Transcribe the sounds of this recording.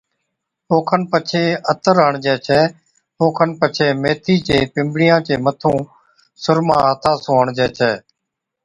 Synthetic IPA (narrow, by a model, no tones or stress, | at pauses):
oːkʰənpət͡ʃʰeːət̪əɾɦəɳd͡ʒɛːt͡ʃʰɛː | oːkʰənpət͡ʃʰeːmeːt̪ʰiːt͡ʃeːpɪmbɽɪjãːt͡ʃeːmət̪ʰũː | sʊɾmãːɦət̪ʰaːsõːɦəɳd͡ʒɛːt͡ʃʰɛː